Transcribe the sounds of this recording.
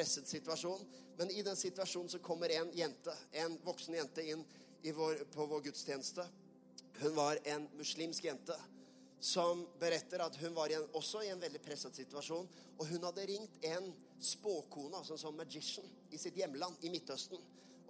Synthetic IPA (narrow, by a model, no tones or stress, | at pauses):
pɾɛsːəd̪sɪt̪ʉʋɑʂuːnmɛnɪd̪ɛnsɪt̪ʋɑʂuːnn̩sɔkʰɔmːəɾɛnjɛnt̪əɛnʋɔksnjɛnt̪əɪnː | ɪʋoːɾpʰɔʋoːɾɡʉt̪st̪ʰjeːnəst̪ə | hʉnʋɑɾɛnmʉsliːmskjɛnt̪ə | sɔmbəɾɛt̪ːəɾɑt̪ɦʉnʋɑɾɪɛnɔsːɔɪɛnʋɛld̪ɪpʰɾɛsːəd̪sɪt̪ʉʋɑʂuːn | ɔɦʉnhɑd̪ːəɾɪŋt̪ɛn | spoːkʰuːnəɑsɔɛnsɔnmæd͡ʒɪʂn̩ | ɪsɪt̪jɛmːəlɑnːɪmɪt̪ːhœst̪n̩